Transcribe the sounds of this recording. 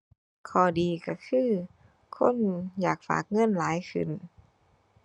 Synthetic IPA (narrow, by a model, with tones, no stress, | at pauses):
kʰɔː˧˩diː˨ka˧˩kʰɯː˧˥˩ | kʰo̰˧˥˨njaː˨˩k̚fa̰ː˨˩k̚ŋɤ˧˥˨nlaː˨˦jkʰɯ̰˧˩˨n